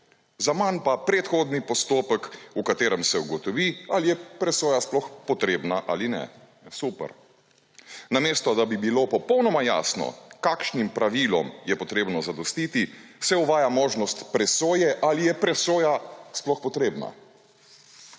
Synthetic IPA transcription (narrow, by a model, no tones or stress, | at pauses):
zamanpapɾɛt̪xoːd̪nipɔst̪oːpəkukat̪eːɾɛmsɛuɡɔt̪ɔʋialijɛpɾɛsoːjasplɔxpɔt̪ɾeːbnaʔalinɛ̰ | supɛ̰ɾ | nameːst̪ɔd̪abibiloːpɔpɔwnɔmaja̰ːsnɔ̰kakʃnimpɾaʋilɔ̰mjɛpɔt̪ɾeːbnɔzad̪ɔst̪iːt̪isɛuʋaːjamoːʒnɔst̪pɾɛsoːjɛʔalijɛpɾɛsoːjasplɔxpɔt̪ɾeːbna̰